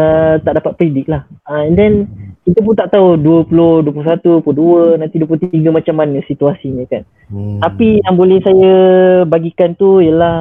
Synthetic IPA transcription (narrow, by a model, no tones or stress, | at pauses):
ət̪aʔdapat̪̚pəɾidik̚lahəɛndɛnkit̪əp̬unt̪aʔt̪auduəpulohduəpulos̬at̪upuloduənãnt̪iduəplot̪t̪iɡəmat͡ʃamːanəsit̪uasiɲə̃kan | t̪apijaŋbolɛhsajəbaɡikant̪uijəlah